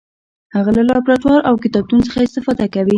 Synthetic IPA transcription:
haɣalalɑpɾat̪wɑɾʔawkɪt̪ɑb̚t̪unsəxaɪst̪ɪfɑd̪akawi

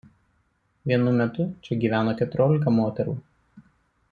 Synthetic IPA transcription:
ʋʲiɛnʊmʲɛt̪ʊt͡ʃʲɛɡʲiːʋʲæːnoːkʲɛt̪ʊɾʲoːlʲɪk̬ɐmoːt̪ʲɛɾṵː

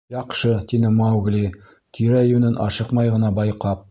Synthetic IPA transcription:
jɑqʃɤt̪inɘmawɡli | t̪ʰiɾæjʉnɘnʔɑ̰ʃɤqmɑjʁɤ̆nɑbɑjqɑp̚

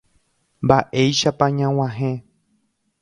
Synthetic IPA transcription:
mbaʔe̞jʃapãɲãw̃ãɦẽ

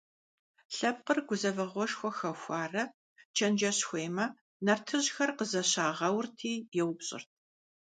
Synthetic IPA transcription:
ɬɐb̚qərɡʷʊzɐvɐʁʷɔʃxʷɔxɐxʷɑːrɐ | t͡ʃʰɐnd͡ʒɐɕxʷeːmɐ | nɐrtʰɨʑxɐrqəzɐɕaːʁɐwrtʰiːjɛwpɕʼɪ̰rt̚ʰ

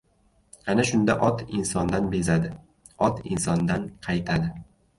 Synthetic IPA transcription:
anaʃʊnd̪aʔɒt̪ɪnsɒnd̪anbe̞zad̪ɪ | ɒt̪ɪnsɒnd̪anqʰɑjt̪ʰad̪ɪ

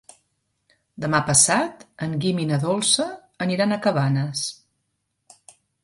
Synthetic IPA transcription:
d̪əmapəsat̪əŋɡiminəðɔlˠsəː | niɾanəkəβanəs

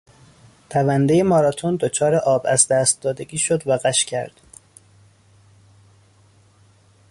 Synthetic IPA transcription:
t̪ʰævænd̪ejemɒːɾɒt̪ʰond̪ot͡ʃʰɒːɾeʔɒːbæzd̪æst̪̚d̪ɒːd̪e̞ɡiːʃod̪væɣæʃcʰæɾd̪̥

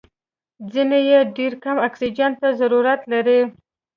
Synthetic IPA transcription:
d͡zinejeɖeɾkamaksid͡ʒant̪ːazaɾuɾat̪laɾi

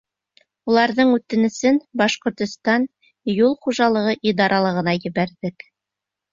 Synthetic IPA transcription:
ulˠɑɾðɤɴʉt̪ɘ̆nɘ̆sɘnbɑʃqŏɾt̪ŏst̪ɑn | julˠχuʒɑlˠɤ̆ʁɤʔid̪ɑɾʔɑlˠɤ̆ʁɤ̆nɑjɘ̆βæɾðɘk

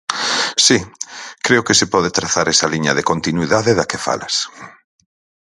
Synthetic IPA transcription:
sikɾeʊkesɪpɔðet̪ɾaθaɾɛsɐliɲɐðekont̪inwiðaðeðɐkefa̰lɐs

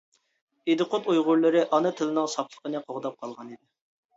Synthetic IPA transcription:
ed̪ɨqʊt̪ujʁʊɾlˠɨɾɨʔɑnɨt̪ʰɨlɨnɨŋsɑplˠə̥qənɨqʰoʁd̪ɑp̚qʰɑlˠʁɑnid̪ɪ

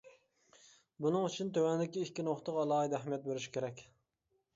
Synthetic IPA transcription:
bunɨŋyt͡ʃʰynt̪ʰøwɛnd̪ɪkʲiikʲːinoχt̪ʰəqɑlˠɑːid̪ɛχmɛt̪̚beɾɪʃkʲʰeɾɛkʲ

